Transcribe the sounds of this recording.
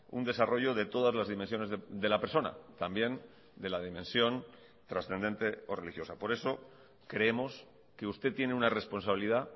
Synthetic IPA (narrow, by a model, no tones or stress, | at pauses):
ṵnd̪e̞saro̞ʝo̞ðe̞t̪o̞ð̞azlazðimens̬jone̞zðeðe̞lape̞ɾso̞na̰t̪ambje̞n | d̪e̞lað̞imẽ̞nsjo̞n | t̪ɾasθe̞nd̪e̞nt̪e̞o̞re̞lixjo̞sapo̞ɾe̞so̞ | kɾe̞emo̞s | ke̞ust̪e̞t̪ːje̞neunare̞spo̞nsaβiliða